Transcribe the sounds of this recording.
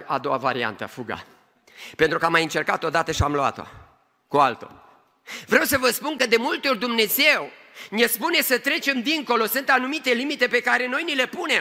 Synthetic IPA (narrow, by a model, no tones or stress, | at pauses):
a̰d̪o̞wava̰ɾia̰nt̪ə̰fuɡa̰ | pe̞nt̪ɾukəamajɨnt͡ʃe̞rkat̪o̞d̪at̪əʃiamlua̰t̪o̰ | kualt̪o̞̰ | vɾewsəvəspunkəd̪e̞mult̪eo̞rʲd̪umne̞ze̞w | nʲespune̞sət̪ɾe̞t͡ʃe̞md̪iŋko̞lo̞sɨnt̪anumit̪e̞limit̪e̞pe̞kaɾe̞no̞jnile̞pune̞m